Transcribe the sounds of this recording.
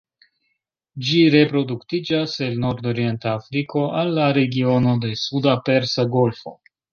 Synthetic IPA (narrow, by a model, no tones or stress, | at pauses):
d͡ʒiɾe̞pɾo̞duktid͡ʒase̞lno̞ɾdo̞ɾije̞ntaːfɾiko̞ʔalːaɾe̞ɡio̞no̞de̞sudape̞ɾsaɡo̞lfo̞̰